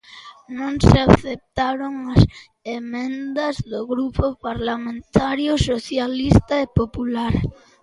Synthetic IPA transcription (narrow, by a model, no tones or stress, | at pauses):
nõŋseaθep̚t̪aɾoŋɐs | emẽnd̪ɐzðoɣɾupopaɾlamẽnt̪aɾjʊsoθjalist̪aepopulaɾ